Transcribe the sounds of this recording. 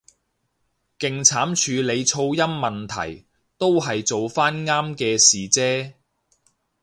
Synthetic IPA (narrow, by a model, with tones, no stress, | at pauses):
kɪ˨ŋt͡sʰaː˨˥mt͡ʃʰyː˨˧le˨˧jt͡sʰo˧wjɐ˥mːɐ˨nt̪ʰɐ̰˨˩j | t̪o˥wɦɐ˨jt͡so˨wfaː˥nŋaː˥mkɛː˧siː˨˩t͡sɛː˥